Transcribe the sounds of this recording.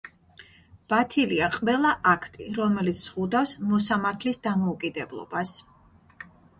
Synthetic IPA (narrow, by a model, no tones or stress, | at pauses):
b̥at̪ʰiliaqʼvɛlˠaʔakʰt̪ʼiɾɔmɛlit̪sʰz̥ʁud̪afsmɔsamaɾt̪ʰlisd̪amɔukʼid̪ɛblˠɔ̰bas